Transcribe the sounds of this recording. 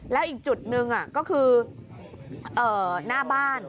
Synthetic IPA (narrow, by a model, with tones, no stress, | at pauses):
lɛ˨˦wʔi˨˧˩ŋ̚t͡ɕu˨˩t̚nɨ˧ŋʔaː˧˩kɔ˨˦xɨ˧ | ʔəː˧˩naː˧ɓaː˧n